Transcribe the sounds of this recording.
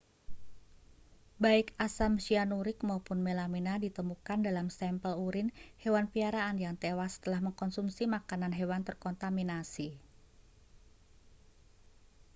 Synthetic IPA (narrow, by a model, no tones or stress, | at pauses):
baɪkasamsianuɾɪkmaupʊnmelaminadit̪əmukandalamsɛmpəluɾɪnhewanpiaɾaːnjaŋt̪ewast̪əlahməŋkɔnsumsimakananɦewant̪ərkɔnt̪aminasi